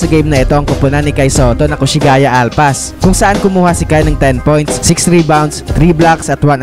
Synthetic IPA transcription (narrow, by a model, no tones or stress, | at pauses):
ɐɡejmnɐɪt̪o̞ʔɐŋkʊpʊnɐnɪkajsoot̪onɐkʊʃɪɡaːjɐʔalpɐs | kʊŋsɐʔankʊmuːhasɪkajnɐŋt̪ɛnpojnt̪sːɪksɾiːbawnd̪st̪ɾiblaksɐt̪wan